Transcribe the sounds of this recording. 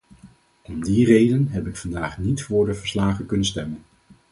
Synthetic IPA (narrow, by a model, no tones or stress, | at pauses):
ɔmdirejdənɦɛpɪkfɑndaːχnitfʊːɹdəvəɹslaːχəkɵnənstɛmən